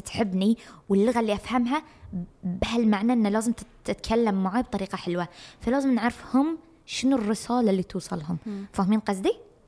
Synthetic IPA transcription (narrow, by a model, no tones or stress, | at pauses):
t̪ħɪbːniwɪlːʊɣalːiʔafhamɦa | bɪhalmaʕnaʔɪnːalaːzɪmt̪ | ɪt̪kʰalːamːaʕab̚t̪ˤɑɾiːqɑħɪlwafalaːzɪmnɪʕɾɪfhʊm | ʃɪnurːɪsaːlalːit̪uːsˤɑlɦʊmfaːhmiːnqɑzd̪i